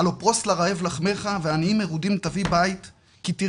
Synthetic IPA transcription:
alopʁo̞slaʁae̞vlaχme̞χaveaniimeʁud̪imt̪avibajt̪ | kit̪i

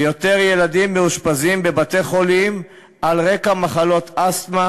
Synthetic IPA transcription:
jo̞t̪e̞ʁjelad̪imːeuʃpazimbe̞bat̪e̞χo̞lim | alʁe̞kamaχalo̞t̪ast̪ma

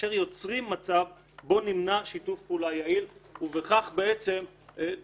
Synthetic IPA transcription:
ʃeʁjo̞t͡sʁimːat͡sav | bo̞nimnaʃitufpeuːlajailuveχaχbeʔet͡se̞m

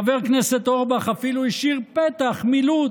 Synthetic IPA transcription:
aveʁkneset̪oʁbaχafiluiʃiʁpet̪aχmilu

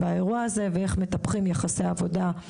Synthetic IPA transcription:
baeʁuaaze̞vee̞χme̞t̪apχimjeχasejavo̞da

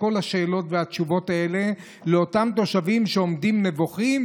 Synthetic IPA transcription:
o̞lhaʃe̞ːlo̞tveat͡ʃuvo̞tae̞le̞ | leotamt̪o̞ʃavimʃeo̞mdimne̞voχim

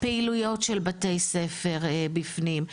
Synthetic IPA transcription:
peilujo̞tʃelbatejsefeʁbifnim

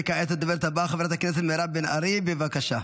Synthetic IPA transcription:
kaetatd̪obeɾt̪abaχavɾat̪aknes̬et̪meɾabena̰ɾibevakaʃa

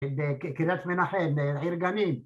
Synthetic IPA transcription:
bekkiɾat̪menaħembeʕiɾɡanim

